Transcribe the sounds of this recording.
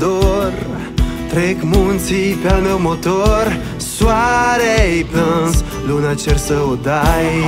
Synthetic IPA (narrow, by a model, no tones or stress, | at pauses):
d̪oɾ | t̪ɾɛkmunsipalmewmot̪oɾ | swaɾeiplans | lunat͡ʃɛɾsəwd̪aj